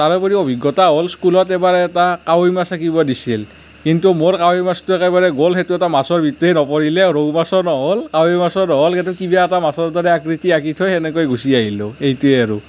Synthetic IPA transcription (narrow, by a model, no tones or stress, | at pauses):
taɹɔpɔɹiobʱiɡːɔtaɦolskulɔtɛbaɹɛːtakawjmasʰakibɔdisil | kintumoɹkawojmastuɛkɛbaɹɛɡolxetuɛtamasɔɹbʱitːɛnɔpɔɹilɛɹoɡmasɔnɔɦolkawojmasɔnɔɦolkɛtukibaɛtamasɔɹdɔɹɛakɹitiakitʰojɛnɛkojɡusiaɦiloejtuɛaɹu